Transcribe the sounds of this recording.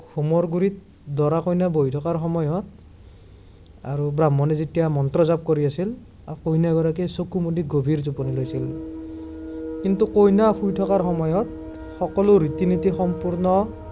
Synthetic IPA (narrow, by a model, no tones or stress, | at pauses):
xʰumɔɹɡuɹit̪̚ | dɔɹakojnabojtʰɔkaɹxɔmɔjɔt̪̚ | a̰ɹubɹamːɔnɛzetijamɔnt̪ɹɔzap̚koɹiasil | akojnaɡɔɹakisokumodiɡobʱiɹzupɔnilojsil | kint̪ukojnaxujtʰɔkaɹxɔmɔjɔt̪̚ | xɔkɔloɾit̪init̪ixɔmpuɹnɔ